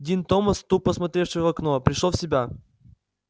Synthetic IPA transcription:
dʲint̪oməst̪upəsmɐt̪ɾʲe̞fʂɨjʊvvɐknopɾʲɪʂlˠofsʲɪbʲa

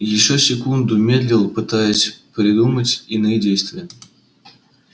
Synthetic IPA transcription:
jɪɕːosʲɪkund̪umʲed̪ʲlʲɪlˠpɨt̪ajəsʲpʲɾʲɪd̪umətʲinɨjdʲejst̪vʲɪjə

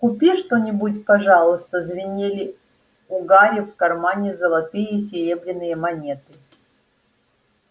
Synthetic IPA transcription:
kʊpʲiʂt̪onʲɪbutʲpɐʐalˠɨst̪əzvʲɪnʲelʲɪ | ʊɡaɾʲɪfkɐrmanʲɪzəlˠɐt̪ɨjəisʲɪɾʲebɾʲɪnːɨjəmɐnʲet̪ɨ

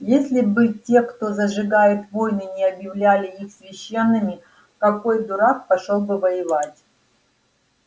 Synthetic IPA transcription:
jesʲlʲɪbɨtʲe̞kt̪o̞zəʐɨɡajɪt̪vo̞jnɨnʲɪɐbjɪvlʲælʲɪixsvʲɪɕːe̞nːɨmʲɪ | kɐko̞jd̪ʊɾak̚pɐʂolˠbɨvɐjɪvatʲ

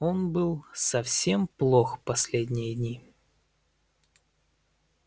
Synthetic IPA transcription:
onbɨlˠsɐfsʲemplˠoxpɐsʲlʲedʲnʲɪjədʲnʲi

